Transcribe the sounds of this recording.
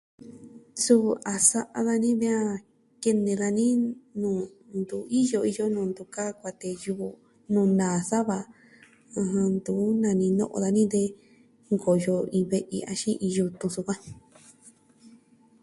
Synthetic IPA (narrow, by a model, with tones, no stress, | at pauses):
su˦a˨sa˧ʔa̰˧ða˧nĩ˦βĩ˦ã˦ | ke˧nẽ˧ɣa˧nĩ˦nũː˨ | nd̪u˨˦i˦jo˧i˧jo˦nũ˨nd̪u˧ka˦kʷa˧t̪e˧ju˧ | nũː˧˨nãː˨sa˦βa˧ | ã˧hã˧nd̪uː˨˦nã˧nĩ˧nõ̰˦˧ʔo̰˧ða˧nĩ˦d̪e˧ | ŋɡo˨jo˧ĩ˧βe˧ʔḭ˧a̰˧ʃĩ˦ʔĩ˧ju˧t̪ũ˧su˧kã˦